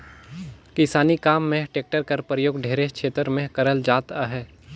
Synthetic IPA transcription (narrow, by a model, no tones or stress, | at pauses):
kɪsaːnikaːmːẽʈeːk̚ʈəɾkɐɾpɾəjoːɡɖʱeːɾekʃʰeːt̪ɾmẽkɐɾəld͡ʒaːt̪aɦɛː